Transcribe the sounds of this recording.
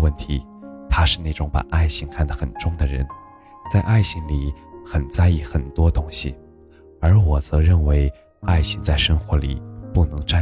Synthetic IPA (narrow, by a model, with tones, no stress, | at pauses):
wə˥˩nt̪ʰi˧˥ | t̪ʰa˥ʂɻ̩˥˧ne˥˩ɪʊ˧˥ŋpa̰˨˩ʔa˥˩ɪɕi˥ŋkʰa˥˩nd̪ə˨˩xə˨˩nʈ͡ʂʊ˥ŋd̪ə˨ɻə̰˧˥n | t͡sa˥˧ɪʔa˥˩ɪɕi˥ŋli˨˩˦xə˨˩nt͡sa˥˧ɪi˥˩xə˨˩nt̪wɔ˥t̪ʊ˥ŋɕi˨ | ə˞˧˥wɔ˨˩t͡sɤ˧˥ɻə˥˩nwe˧˥ɪ | a˥˧ɪɕi˥˧ŋt͡sa˥˩ɪʂə˥nxwɔ˧˥lḭ˨˩pu˥˩nɤ˧˥ŋʈ͡ʂa˥˧˩